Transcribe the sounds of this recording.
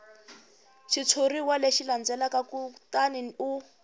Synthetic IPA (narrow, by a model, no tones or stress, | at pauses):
ʃit͡sʰoriwaleʃiland͡zɛlakakutʼaniniu